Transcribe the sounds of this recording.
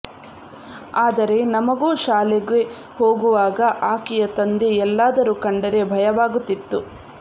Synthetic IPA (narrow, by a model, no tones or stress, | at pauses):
aːd̪ɐɾe̞nɐmɐɡuːʃaːleɡe | hoːɡuʋaːɡɐʔaːkijɐt̪ɐnd̪eɛlːaːd̪ɐɾukɐɳɖɐɾe̞bʱɐjɐʋaːɡut̪ːit̪ːu